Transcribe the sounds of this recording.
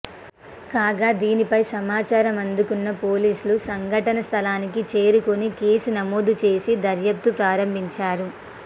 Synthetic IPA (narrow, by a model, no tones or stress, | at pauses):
kaːɡaːd̪iːnipɐjsɐmaːt͡ʃaːɾɐmɐnd̪ukunːɐpo̞ːliːsulusɐŋɡʱɐʈɐnɐst̪ʰɐlaːnikit͡ʃe̞ːɾukonike̞ːsunɐmoːd̪ut͡ʃe̞ːsid̪ɐɾjɐp̚t̪upɾaːɾɐmbʱiɲt͡ʃaːɾu